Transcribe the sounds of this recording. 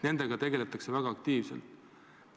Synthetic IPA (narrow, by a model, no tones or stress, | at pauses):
ne̞nd̪̥e̞ɡ̥ɑt̪e̞ɡe̞let̪ːˑɑkse̞væɡ̥ɑːkt̪iːvselt̪